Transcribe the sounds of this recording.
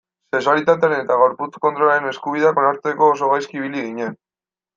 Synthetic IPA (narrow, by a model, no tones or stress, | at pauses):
seksualit̪at̪̬eaɾene̞t̪aɣ̞o̞ɾput͡sko̞nt̪ɾoaɾe̞ne̞skuβiðeako̞naɾt͡s̪eko̞ːso̞ɣ̞ajskiːβ̞iliɣiɲe̞n